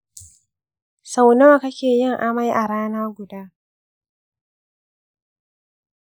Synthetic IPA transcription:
sa˨wna˦˨kɐ˦kʲeː˨jɪ˦˨ŋʔa˨ma˦jʔa˨ɾaː˦naː˦ɡʷʊ˨daː˦

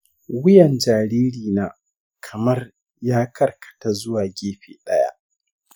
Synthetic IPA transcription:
wʊ˦jɛ˨nd͡ʒaː˨ɾiː˦ɾiː˨naː˨ | kʰɐ˨mɐ˦r | jaː˦kʰɐ˦rkʰɐ̥˨ta˦zʊ˦waː˨ɡʲeː˦ɸḛː˨ɗɐ˦ja̰˦ʔ

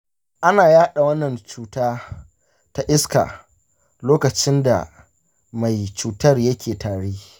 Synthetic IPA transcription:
ʔa˦naː˨jaː˦ɗa˨wɐ˦nːɐ˨nt͡ʃuː˦taː˦ | ta˦ʔɪ˦ska̰˨ | loː˦kɐ˨t͡ʃɪ˦nda̰˨ | ma˨jt͡ʃuː˨tɐ˦rjɐ˦kʲʰeː˨taː˨ɽeː˦

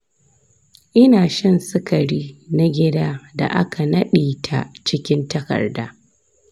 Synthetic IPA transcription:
ʔɪ˦naː˨ʃɐ˦˨nsɪ˦kɐ˨ɽiː˦na˦ɡʲɪ˦daː˦da̰˨ʔa˦ka˨nɐ˦ɗiː˨tʰa̰˦t͡ʃɪ˦kʲɪ˦ntɐ˦kɐ̰˨rdaː˦

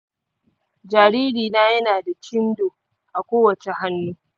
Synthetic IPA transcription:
d͡ʒaː˨ɾiː˦ɾiː˨naː˦jɐ˦naː˨da˨t͡ʃɪ˦ndoː˨ | ʔa˨kʷoː˦wɐ˨t͡ʃe˨ɦa˦nːuː˦

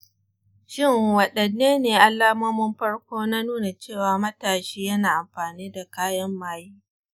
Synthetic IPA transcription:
ʃɪ˦ŋwɐ˨ɗɐ˨nːeː˦neː˨ʔa˨lːaː˦mɐ˦mʊ˦mɸɐ˦ɽkʷoː˦na˦nuː˦na˨t͡ʃeː˦˨waː˨mɐ˦taː˨ʃiː˦jɐ˦naː˨ʔa˨mɸaː˨niː˦da˨kaː˦jɐ˦mːaː˦jiː˦

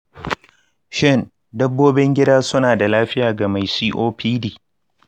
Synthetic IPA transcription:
ʃɪ˦˨n | dɐ˦bːoː˦bɪ˦ŋɡʲɪ˦daː˦sʊ˦naː˨da˨laː˦ɸɪ˦jaː˨ɡa˨ma˨jsiː˦ʔoː˦pʰiː˦diː˨

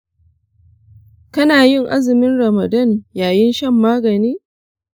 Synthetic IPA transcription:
kɐ˦naː˨jɪ˦˨ŋʔa˦zɪ˨mɪ˦nɾɐ˨mɐ˨dɐ˦˨njaː˨jɪ˦nʃɐ˦mːaː˦ɡɐ˨niː˦

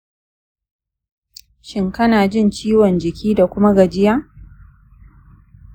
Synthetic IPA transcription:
ʃɪ˦ŋkɐ˦naː˨d͡ʒɪ˦˨nt͡ʃiː˦wɔ˨nd͡ʒɪ˨kʲiː˦da˨kʷʊ˦ma˦ɡɐ˨d͡ʒɪ˦jaː˦

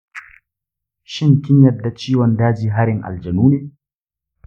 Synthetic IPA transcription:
ʃɪ˦ŋkʲɪ˦ɲjɐ˨da˨t͡ʃiː˦wɔ˨ndaː˦d͡ʒiː˨ɦa˦ɾɪ˨ŋʔa̰˨ld͡ʒɐ˨nuː˦neː˨

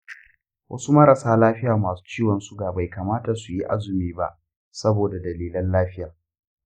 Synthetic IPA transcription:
wʔɐ̰˦su˦mɐ˦ɾɐ˨saː˦laː˦ɸɪ˦jaː˨maː˨su̥ː˦t͡ʃiː˦wɐ˨nsu˦ɡaː˨ba˨jkaː˨maː˦ta˨su˨ji˦ʔa̰˦zʊ˨miː˦ba̰˦ʔ | sɐ˦boː˨da˨dɐ˨liː˦lɐ˦nlaː˦ɸɪ˦jaː˨

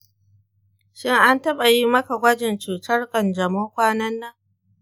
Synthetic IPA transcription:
ʃɪ˦ŋʔa˦ntɐ˦ɓa˨ji˦mɐ˦ka˨ɡʷɐ˦d͡ʒɪ˨nt͡ʃuː˨tɐ˦rkʼɐ˨nd͡ʒɐ˨moː˦kʷaː˦nɐ˦nːɐ˦ŋ

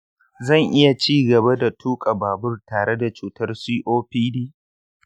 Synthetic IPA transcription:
zɐ˦˨ŋʔɪ˦ja˨t͡ʃiː˦ɡɐ˨ba˦da˨tʰuː˦kʼa˨baː˨bʊ˦rtaː˨ɽe˦da˨t͡ʃuː˨tɐ˦rsiː˦ʔoː˦ɸiː˦diː˦

